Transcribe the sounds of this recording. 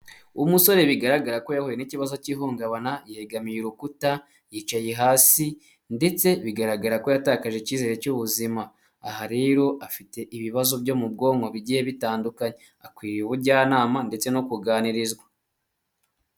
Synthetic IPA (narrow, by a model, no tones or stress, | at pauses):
umuso̞ɾe̞βiɡaɾaɡaɾako̞jahojeniciβazo̞ciːɦoːŋɡaβanajeeɡamijeɾukuta | jiːt͡ʃajeɦaːsi | nde̞t͡se̞βiɡaɾaɡaɾako̞jataːkaʒeciːze̞ɾe̞cuβuzimaː | haɾeɾo̞ʔafite̞ʔiβiβazo̞bɟo̞mubɡo̞ːŋɡoβiɟihe̞βitaːndukaɲe | akwiːɾiβuɾɟaːnaːmande̞t͡se̞no̞kuɡaːniɾizɡwa